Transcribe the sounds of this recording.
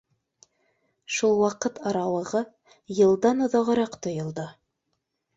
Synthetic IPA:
ʃulˠwɑqɤt̪ʰɑɾɑwɤ̆ʁɤ | jɤ̆lˠd̪ɑnŏðɑʁɤ̆ɾɑqt̪ŏjŏlˠd̪ɤ

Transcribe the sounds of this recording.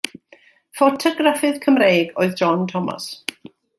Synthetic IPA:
fɔtʰɔɡrafɨðkʰəmrejɡoːɨðd͡ʒɔntʰɔma̰s

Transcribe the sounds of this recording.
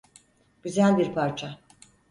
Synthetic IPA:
ɟ̥yzælʲbiɾpʰaɾt͡ʃʰa

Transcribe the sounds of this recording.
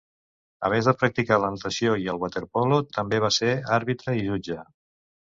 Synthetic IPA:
ə̰β̞ɛnzðəpɾək̚t̪ikalənt̪əsioiəlˠɣwat̪eɾpɔlot̪əmbeβ̞aseaɾβit̪ɾəiʒud͡ʒə

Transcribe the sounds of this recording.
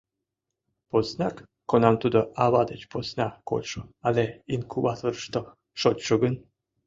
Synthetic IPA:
poznʲakː | onɑmt̪ud̪oaβɑd̪ət͡ɕposnʲako̰ʃoaleinkʰuβat̪oɾʃt̪o | ʃotʲʃoɡən

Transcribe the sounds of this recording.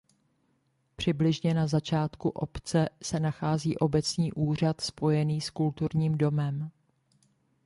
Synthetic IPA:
pr̝̥ɪblɪʒɲɛnazat͡ʃaːt̪kuʔo̞pt͡sɛsɛnaxaːziːʔo̞bɛt͡sɲiːʔuːr̝at̪spo̞jɛniːskult̪uɾɲiːmdo̞mɛm

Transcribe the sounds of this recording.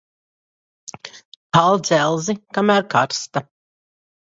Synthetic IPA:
kalˠd̪zɛlˠzikamæːɾkaɾst̪a

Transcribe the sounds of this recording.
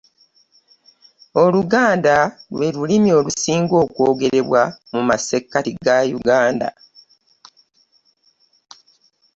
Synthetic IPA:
o̞luɡaːndalwe̞ɾulimio̞ːlusiːŋɡo̞ːkwo̞ːɡe̞ɾe̞βwamumase̞kːatiɡajuɡaːnda̰

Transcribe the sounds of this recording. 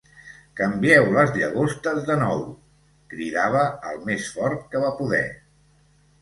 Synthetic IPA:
kəmbiɛwləzʎəɣost̪əzðənɔw | kɾiðaβəəlˠmesfɔɾt̪̚kəβapuðɛ̰

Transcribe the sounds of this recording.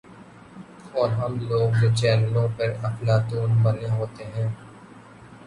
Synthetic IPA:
ɔːɾɦɐmloːɡnet͡ʃɛːnəlõpəɾɐpʰlaːt̪uːnbɐneɦoːt̪eɦɛ̃ː

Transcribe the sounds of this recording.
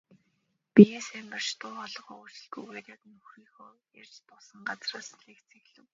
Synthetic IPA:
pijeːsæːmpə̆r̥t͡ɕt̪ʰʊːχɔɮɞ̆χɔːusɵ̆ɮɡujut̪ʲat̪nɵxriːxoːjar̥ʲt͡ɕt̪ʊɮsə̆ŋɢat͡sraːsɮeːkt͡sʰexɮɘ̆w

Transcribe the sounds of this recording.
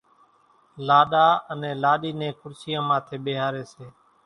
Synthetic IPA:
laːɗaːənẽːlaːɗiːnẽːkʰʊɾsɪjãːmãːt̪ʰeːɓeːɦaːɾeːseː

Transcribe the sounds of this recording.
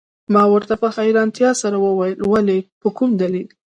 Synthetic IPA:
mɑwəɾt̪apəxajɾɑnt̪jɑsaɾawəwajəlwalepəkumd̪alil

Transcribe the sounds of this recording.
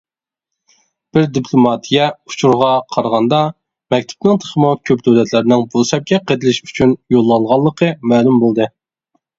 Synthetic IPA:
b̥ɪɾd̪ipʰlˠomɑt̪ʰijɛut͡ʃʰuɾʁɑqʰɑɾʁɑnd̪ɑ | mɛk̚ʲt̪ʰɪ̥pnɪŋt̪ʰe̥χəmukʲʰøpd̪øwlɛt̪ʰlæɾɪnɪŋbosɛp̚kʲɛqʰəd̪ɪlɪʃy̥t͡ʃʰynjolˠːɑŋʁɑlˠːəqʰəmæːlumbolˠd̪ɨ

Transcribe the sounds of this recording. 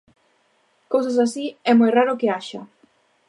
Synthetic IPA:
kows̬as̬asiɛmojraɾʊkɪaʃɐ

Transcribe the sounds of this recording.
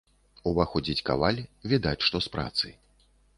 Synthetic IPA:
uvaxɔd͡zʲit͡sʲka̰valʲvʲid̪at͡sʲʂt̪ɔspɾa̰t̪sɨ̰j

